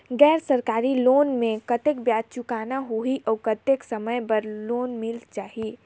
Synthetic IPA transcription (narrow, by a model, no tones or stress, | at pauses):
ɡɛːɾsəɾkaːɾiloːnmẽkət̪ek̚bjaːd̪̚t͡ʃʊkaːnaɦoiʔɔːkət̪eksəməjbəɾloːnmɪlt͡ʃaːɦie